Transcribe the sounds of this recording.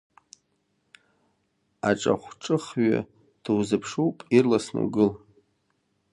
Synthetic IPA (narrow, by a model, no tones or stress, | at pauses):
aʈ͡ʂʼa̰χʷʈ͡ʂʼɨχɥa̰ | d̥wzɨpʰʂuwpʼirlasnṵɡɨl